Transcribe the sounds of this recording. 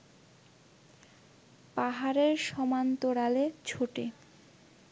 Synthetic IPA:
paɦaɾeɾʃɔmant̪oɾalet͡ɕʰoʈḛ

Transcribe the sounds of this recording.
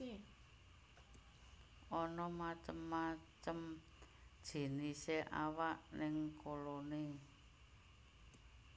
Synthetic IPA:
ʔɔnɔmat͡ʃəmːat͡ʃəm | d̥ʒ̥i̤niseʔa̰waʔnɪŋkolone

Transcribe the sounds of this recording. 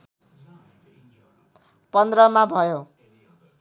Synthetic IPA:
pʌnd̪rʌmabʱʌjo

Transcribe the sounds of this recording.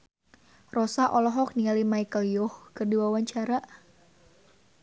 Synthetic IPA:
rɔsaʔɔlɔɦɔk̚niŋalimaikəljɔhkɨrdiwawaɲt͡ʃaɾaʔ

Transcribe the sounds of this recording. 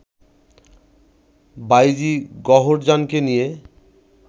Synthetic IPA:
bajd͡ʑiɡɔɦoɾd͡ʑankenije

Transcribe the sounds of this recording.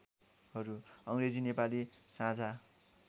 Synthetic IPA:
ɦʌɾuʌŋred͡zinepalisãd͡zʱa

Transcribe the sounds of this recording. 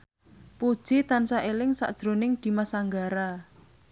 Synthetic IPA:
pud̥ʒ̥it̪ansaʔelɪŋsa̰d̥ʒ̥ɾo̤nɪŋd̪̥i̤masaŋɡaɾa

